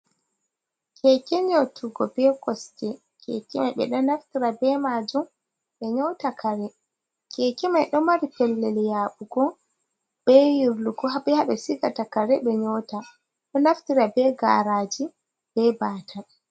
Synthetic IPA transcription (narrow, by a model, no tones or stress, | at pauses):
kʰɛkɛɲotʰuɡɔbɛkɔstɛ | kʰɛ̰kɛmajɓɛ̰ɗɔnaftiɾabɛmad͡ʒum | ɓɛɲɔwtakʰaɾɛ | kʰɛkɛmajɗɔmaɾipɛlːɛljaɓuɡɔ | b̥ɛjiɾluɡɔɦabɛhaɓɛsiɡatakaɾɛɓɛɲɔta | ɗɔnaftiɾabɛɡa̰ːɾaːd͡ʒi | b̥ɛbaːta